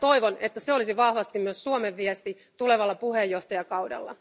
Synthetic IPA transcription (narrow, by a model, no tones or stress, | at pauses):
t̪o̞jʋo̞ne̞t̪ːæseo̞lisiʋɑhʋɑst̪immyøsːuomeʋːiɛst̪i | t̪ule̞ʋɑlːɑpuhejːo̞ht̪ɑjɑkɑwdɑ̰lːɑ̰